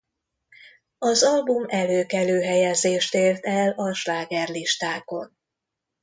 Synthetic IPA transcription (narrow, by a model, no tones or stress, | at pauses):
ɒzɒlbumɛløːkɛløːɦɛjɛzeːʃt̪eːrt̪ɛlɒʃlaːɡɛrliʃt̪aːko̞n